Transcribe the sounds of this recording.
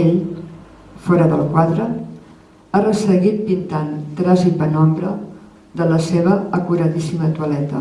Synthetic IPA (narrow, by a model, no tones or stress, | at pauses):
eʎ | fɔɾəðəlˠkwaðɾə | arəsəɣit̪̚pint̪ant̪ɾazit̪̚bənɔmbɾə | ðələseβ̞əəkuɾəðisimət̪uəlɛt̪ə̰